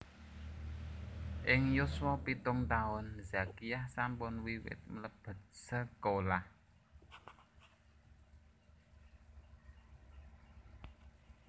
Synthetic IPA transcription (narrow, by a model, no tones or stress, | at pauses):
ʔɪŋjʊswɔpit̪ʊŋt̪aʊnzakijahsampʊnwiwɪ̰t̪̚mələb̥ə̤t̪̚səkolah